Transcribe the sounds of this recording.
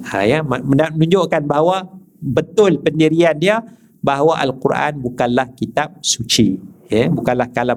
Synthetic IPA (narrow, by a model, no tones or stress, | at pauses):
a̰jammənamənũɲd͡ʒoʔkanbaɦwa | bət̪ʊlpəndiɾiandia | baɦwaʔalkuɾʔa̰nbukanlahkit̪ap̚sut͡ʃijabukanlahkala